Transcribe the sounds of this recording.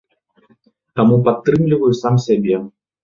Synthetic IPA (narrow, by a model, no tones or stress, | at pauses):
t̪amupat̪ːɾɨmlʲivɐjusamsʲabʲɛ